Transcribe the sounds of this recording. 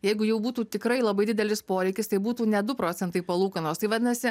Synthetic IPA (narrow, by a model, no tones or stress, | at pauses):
jɛɪɡʊjɛʊbuːt̪uːt̪ʲɪkɾɐɪlˠɐbɐɪd̪ʲɪd̪ʲɛlʲɪspoːɾʲɛɪkʲɪst̪ɐɪbuːt̪uːnʲɛd̪ʊpɾoːt̪sʲɛnt̪ɐɪpɐlˠuːkɐnoːst̪ɐɪʋɐt̪ʲnɐsʲɪ